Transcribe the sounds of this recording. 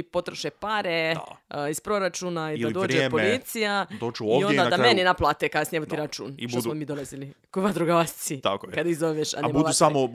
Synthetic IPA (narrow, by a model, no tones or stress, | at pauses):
po̞t̪ɾoʃepaɾḛispɾo̞ɾat͡ʃunaid̪adoːɾd͡ʒepolit̪sijad̪ot͡ʃuojond̪ad̪ameninaplˠat̪ekad̪asniemot̪iɾat͡ʃṵːnitosmomiːd̪olazilikoiʋad̪ɾuɡaʋassit̪akojkad̪aizoʋeʃa̰nɛmuʋausamo